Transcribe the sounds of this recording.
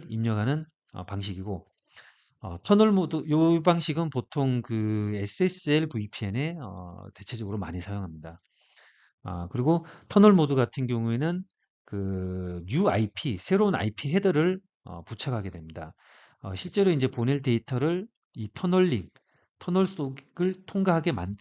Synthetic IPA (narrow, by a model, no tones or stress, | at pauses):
imɲʌɡɦanɯn | ʌ̰paŋɕ̬ʰiɡiɡo | ʌ̰tʰʌnʌɭmodɯjobaŋɕʰiɡɯnpotʰoŋkɯe̞s͈ɯe̞s͈ɯeɭpuipʰiene̞ʌ̰te̞t͡ɕʰe̞d͡ʑʌɡɯɾoma̰ɲisʰajoŋɦamɲida | ʌ̰kɯɾiɡotʰʌnʌɭmoduɡatʰɯnɡjʌŋue̞nɯn | kɯɲuaipʰisʰe̞ɾouna̰ipʰiɦe̞dɯɾɯɭ | ʌ̰put͡ɕʰakʰaɡe̞dwe̞mɲida | ʌ̰ɕʰiɭt͡ɕ͈e̞ɾoind͡ʑe̞poniɭte̞itʰʌɾɯɭ | itʰʌnʌɭːiŋ | tʰʌnʌɭs͈oɡɡɯɭtʰoŋɡaɦaɡe̞ma̰n